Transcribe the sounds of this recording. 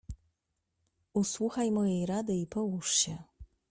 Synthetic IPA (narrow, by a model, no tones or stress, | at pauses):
uswuxajmɔjejɾad̪ɘipɔwuʂɕɛ